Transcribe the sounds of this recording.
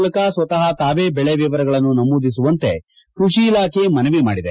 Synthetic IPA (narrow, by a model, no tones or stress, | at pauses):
lɐkasʋɐt̪ɐɦɐt̪aːʋeːbɛɭeʋiʋɐɾɐɡɐɭɐnːunɐmuːd̪is̬uʋɐnt̪e̞ | kɾuʂiːlaːkʰemɐnɐʋima̰ːɽid̪e̞